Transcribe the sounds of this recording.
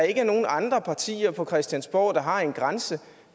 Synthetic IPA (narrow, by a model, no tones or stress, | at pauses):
e̝ɡ̥əno̝ːn̩ɑ̈nd̥ʁɐpʰɑ̈t͡sʰḭːɐpʰɒ̽kʰʁɛsd̥jænsb̥ɒ̰ʊ̰ːd̥ɑ̈ɦɑ̈e̝nɡ̥ʁansə